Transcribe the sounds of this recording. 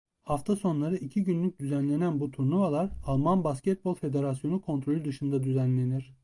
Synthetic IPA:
haft̪ʰaso̞nlˠaɾɯʔicʰiɟynlʲyc̚d̪yzænlʲe̞nænbut̪ʰuɾnuvalˠaɾalˠmanbascɛt̪̚bo̞lˠfe̞d̪e̞ɾasjo̞nukʰo̞nt̪ʰɾo̞lʲyd̪ɯʃɯnd̪ad̪yzænlʲe̞niɾ̥

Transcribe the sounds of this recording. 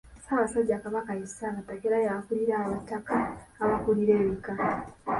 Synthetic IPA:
amasaɟakaβakajesaβatakeɾajaakuliɾaːwatːakaːwakuliɾeːβika

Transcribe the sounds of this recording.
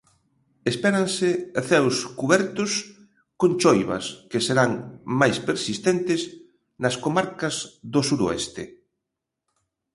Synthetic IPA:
espɛɾɐnsɪθɛwskuβɛɾt̪ʊs | kont͡ʃojβɐ̰skeseɾaŋmajspeɾsist̪ɛnt̪ɪs | nɐskomaɾkɐzðosuɾo̰ɛ̰st̪ḛ

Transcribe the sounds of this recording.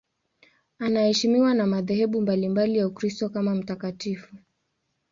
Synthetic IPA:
anahɛʃimiwanamaðɛhɛɓumbalimbalijaukɾistɔkamam̩takatifu

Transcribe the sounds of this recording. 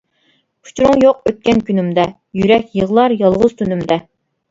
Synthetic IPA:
pʰu̥t͡ʃʰɾuŋjoqøt̪̚kʲɛnkʲynymd̪ɛ | jyɾɛkʲjəʁlˠɑɾjɑlˠʁʊz̥t̪ʰynymd̪ɛ

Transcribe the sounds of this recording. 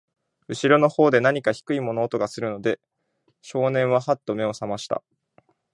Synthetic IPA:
ɯ̟ɕiɾo̞no̞ho̞ːd̪e̞naɲ̟ikaçi̥kɯ̟imo̞no̞ːt̪o̞ɡasɨɾɯ̟no̞d̪e̞ | ɕo̞ːnẽ̞ɰ̃βahat̪ːo̞me̞o̞samaɕi̥t̪a̰

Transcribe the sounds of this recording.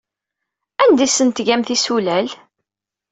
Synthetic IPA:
ænd̪isənt̪ʝæmθisulæl

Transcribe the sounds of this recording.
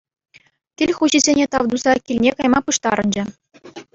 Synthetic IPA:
kʲilʲχuʑizʲenʲet̪ɑʋd̪uzɑkʲilʲnʲekɑjmɑpɯʂt̪ɑ̰ɾɤ̆nd͡ʑɘ̆

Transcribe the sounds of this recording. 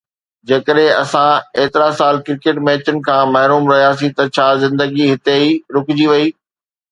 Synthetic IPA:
d͡ʑeːkəɗɦɪ̃ɐ̰sãeːt̪ɪɾasaːlkɪɾɪkeʈmeːt͡ɕənɪ̆kʰãːmɐɦɾuːmɾɐɦijaːsĩt̪ɐt͡ɕʰaːzɪ̃nd̪əɡiɦɪt̪eiɾʊkʊd͡ʑiʋɐiː

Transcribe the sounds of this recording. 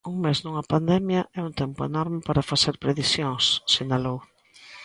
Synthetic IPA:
uŋmeznuŋɐpand̪ɛmjɐʔɛunt̪ɛmpʊḛnɔɾmɪpaɾafaseɾpɾeðisjõŋsːenalow

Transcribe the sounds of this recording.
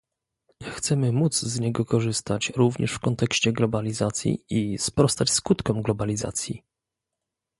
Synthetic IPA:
ɲaxt̪sɛmɘmud̪zzɲɛɡɔkɔʐɘst̪at͡ɕɾuvɲɛ̰ʂfkɔnt̪ɛkɕt͡ɕɛɡlɔbalʲizat̪sʲjḭispɾɔst̪at͡ɕskut̪kɔmɡlɔbalʲiza̰t̪sʲjḭ

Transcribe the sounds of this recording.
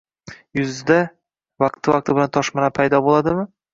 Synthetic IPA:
jʊzd̪a | vɑqt̪ʰːɪvaq̚t̪ʰɪbɪlant̪ʰɒʃmɑnapʰajd̪ɒbolˠad̪ɪmɪ

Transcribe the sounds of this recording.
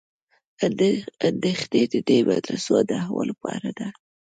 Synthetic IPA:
and̪exned̪əd̪ebad̪ɾasod̪aahawo̰lapɑɾad̪a

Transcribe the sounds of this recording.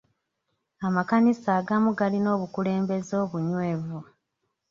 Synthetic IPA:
amakanisaːɡamuɡalino̞ːβukule̞ːmbe̞zo̞ːβuɲwe̞ːvu

